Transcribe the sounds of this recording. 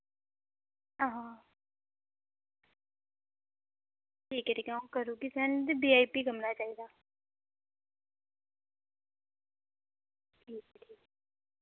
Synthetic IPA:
əɦãː | ʈʰiːkɛʈiːkːũːkəɾuːkisɛːnd̪ibiːaːiːpiːɡəmnaːt͡ʃaːiːd̪aː | ʈʰiːkʈʰiːk̚

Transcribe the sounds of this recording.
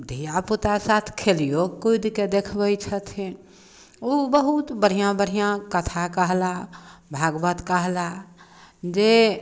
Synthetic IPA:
d̪ʱijaput̪asat̪ʰkʰelijokujd̪ked̪ekʰbət͡ʃʰət̪ʰĩ | obəɦut̪bəɽ̤ijãbəɽ̤ijãkət̪ʰakəɦlabʱaɡbət̪kəɦla | d͡ʒe

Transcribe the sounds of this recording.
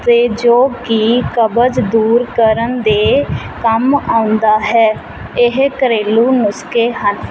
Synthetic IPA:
t̪eːd͡ʒoːkiːkəbəd͡ʒd̪uːɾkəɾənd̪eː | kəmaːʊnd̪aːɦɛː | ɪɦkəɾeːluːnʊskeːɦən

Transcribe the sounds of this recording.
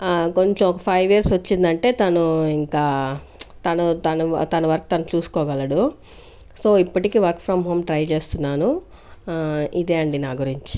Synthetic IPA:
ko̞ɲt͡ʃemɔkɐpʰɐjʋijɐɾsʋɐt͡ʃːind̪ɐɳʈe̞ːt̪ɐnuiŋkaː | t̪ɐnut̪ɐnut̪ɐnuʋɐɾku̥t̪ɐnut͡ʃuːsu̥kɔːɡɐlɐɽu | so̞ːipːɐʈikiːʋɐɾkfʰɾɐmɦoːmʈɾɐjt͡ʃeːst̪unːaːnu | id̪eːɐɳɖinaːɡuɾiɲt͡ʃi̥

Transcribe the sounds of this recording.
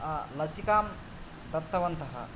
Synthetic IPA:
ɐlɐsikaːm | d̪ɐt̪ːɐʋɐnt̪ɐɦɐ̰

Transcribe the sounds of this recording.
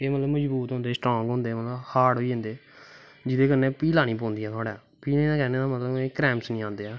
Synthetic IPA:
eːmət̪ləbməd͡ʒbuːt̪ɦõnd̪eːsʈɾõːŋɡɦõːnd̪eːmət̪ləbhaːɽɦoiɪ̃nd̪eː | d͡ʒɪd̪eːkənːẽːpiːlaːnĩːp̬õːnd̪iːɦɛːt̪ʰaːɽɛː | piːleːd̪ãːkɛːneːd̪aːmət̪ləbɛ̃kɾɛːmsnĩːãːnd̪eːaː

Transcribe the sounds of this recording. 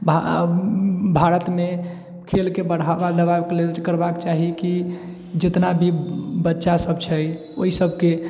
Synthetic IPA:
bʱa | bʱaɾət̪me | kʰelkebəɽ̤abad̪əβabklekəɾbakt͡ʃaɦiki | d͡ʒet̪nabʱibətːʃasəbt͡ʃʰəj | oisəbʱke

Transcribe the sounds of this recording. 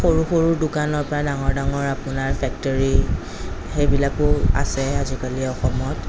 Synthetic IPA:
xoɹuxoɹuɹdʊkanɔɹpɔɹadaŋɔɹdaŋɔɹapʊnaɹfɛk̚tɔɹi | xejbilakʊa̰sɛazikaliɛɔxɔmɔt

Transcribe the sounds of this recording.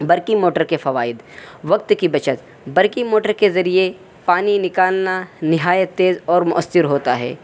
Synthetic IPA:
bɐɾkimoːʈəɾkefɐʋaːɪd̪ | ʋɐk̚t̪kibɐt͡ʃət̪ | bɐɾkimoːʈəɾkezɐɾie | paːninɪkaːlnanɪɦaːjət̪ːeːzɔːɾmʊʔəsːɪɾɦoːt̪aɦɛ̰ː

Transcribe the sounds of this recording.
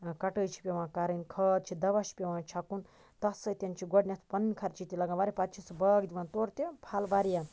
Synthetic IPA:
kɐʈət͡ʃʰi̥pʲeʋãːkaɾənkʰəd̪̚t͡ʃʰid̪ɐʋaʃi̥pʲeʋãːt͡ʃʰɐkun | t̪ɐsət̪ʲenʲt͡ʃʰiɡoɖnʲɐt̪ʰpɐnnʲikʰɐɾt͡ʃʰit̪ʲilɐɡãʋaɾipad̪t͡ʃʰisɨbɐɡd̪ʲiʋãːnt̪oːɾt̪ʲepʰaːlʋaːɾja

